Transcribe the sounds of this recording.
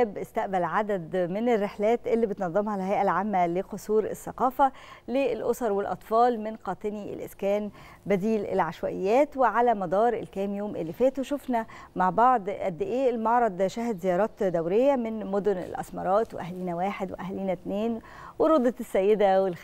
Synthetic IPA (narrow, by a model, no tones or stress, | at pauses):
bʔest̪æʔbælʕad̪æd̪menerːeħlæːt̪ʔelːibet̪nɑðˤːɑmhɑlhæjʔælʕamːæleqosˤuːɾḛsːɑqɑːfælelʔosɑɾˤwelʔɑ̰t̪ˤfɑːlmenqɑːt̪ˤeniʔḛlʔḛskæːn | bæd̪iːlḛlʕaʃwæʔejːæːt̪weʕalæmɑd̪ˤɑːɾˤʔelkæːmjoːmʔḛlːifæːt̪weʃofnæmaʕbɑʕd̪ˤʔæd̪ːeʔeːʔelmɑʕɾˤɑd̪ˤʃæɦd̪zejɑːɾˤɑːt̪d̪æwɾejːæmenmod̪ʊnḛlʔɑ̰smɑɾˤɑːt̪weʔæhliːnæwaːħed̪wḛʔæhliːnæt̪neːn | weɾod̪ˤɑt̪esːæjːed̪æwelx